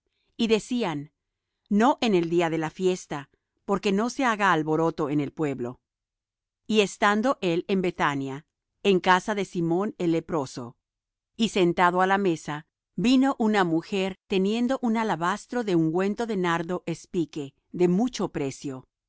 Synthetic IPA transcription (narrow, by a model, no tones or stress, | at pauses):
iðe̞sianː | o̞ʔe̞ne̞ld̪iaðe̞lafje̞st̪a | po̞ɾke̞no̞se̞aɣaːlβo̞ɾo̞t̪o̞ene̞lpwe̞βlo̞ | ie̞st̪and̪o̞ʔe̞le̞mbe̞t̪anja | eŋkasaðe̞simo̞ne̞lːe̞pɾo̞so̞̰ | ise̞nt̪aðoalame̞sa | bino̞ʔunamuxe̞ɾt̪e̞nje̞nd̪o̞ʔunalaβast̪ɾo̞ðe̞uŋɡwe̞nt̪o̞ðe̞naɾðo̞ʔe̞spike̞ | ðe̞mut͡ʃo̞pɾe̞sjo̞